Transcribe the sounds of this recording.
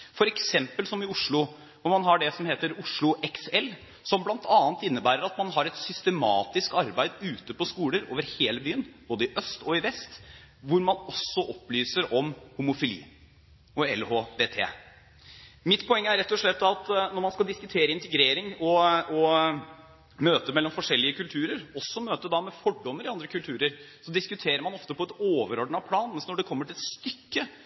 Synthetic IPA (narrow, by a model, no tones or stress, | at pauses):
fɔɾɛksɛmpəlsɔmɪʊʂɭʊ | ʋʊɾmɑnɦɑɖɛsɔmheːt̪əɾʊʂɭʊʔɛksɛl | sɔmblɑnt̪ʰɑːnt̪ɪnːəbæːɾəɾɑt̪mɑnɦɑɾɛt̪sʏst̪əmɑːt̪ɪskɑɾbæɪd̪ʉːt̪əpɔskuːləɾoːʋəɾheːləbyːənb̥oːd̪əɪʔœst̪ɔɪʋɛst̪ʋʊɾmɑnɔsːɔʔɔplyːsəɾɔmhʊmʊfɪlḭː | ɔɛlhoːʋeːt̪ʰḛː | mɪt̪pʰɔɛŋːəæɾɛt̪ːɔʂɭɛt̪ːɑt̪nɔɾmɑnskɑld̪ɪskʉt̪ʰeːɾəɪnt̪əɡɾeːɾɪŋɔɔ | møːt̪əmɛlːɔmfɔʂɛlːɪəkʰʉlt̪ʰʉːɾəɾɔsːɔmøːt̪əd̪ɑmɛfɔɖːɔmːəɾɪɑnd̪ɾəkʉlt̪ʰʉːɾəɾsɔd̪ɪskʉt̪ʰeːɾəɾmɑnɔft̪əpʰɔɛt̪oːʋəɾɔɖɳ̩ɑpʰlɑːnmɛnsnɔɖɛkʰɔmːəʈʰɪlɛt̪st̪ʏkːə